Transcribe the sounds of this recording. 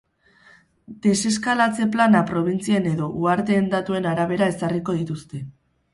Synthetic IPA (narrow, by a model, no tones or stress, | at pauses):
d̪̥e̞se̞s̬kalat͡se̞planapɾo̞β̞int͡siene̞ðo̞ʔuaɾt̪e̞ːnd̪at̪ue̞naɾaβ̞e̞ɾae̞sariko̞ð̞it̪ust̪e̞